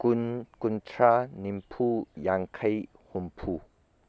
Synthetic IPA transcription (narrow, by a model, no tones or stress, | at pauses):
kuntʰɾanimpʰujaŋkʰaj | humpʰu